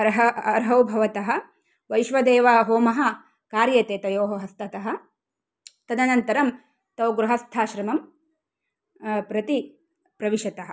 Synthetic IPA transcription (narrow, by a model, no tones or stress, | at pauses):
ɐɾɦɐɐɾɦɐwbʱɐʋɐt̪ɐɦɐ̆ | ʋɐjʃʋɐd̪eːʋɐɦoːmɐɦɐ̆ | kaːɾjɐt̪eːt̪ɐjoːɦɐɦɐst̪ʰɐt̪ɐɦɐ̆ | t̪ɐd̪ɐnɐnt̪ɐɾɐm | t̪ɐwɡɾuɦɐst̪ʰaːʃɾɐmɐm | pɾɐt̪i | pɾɐʋiʃɐt̪ɐɦɐ̆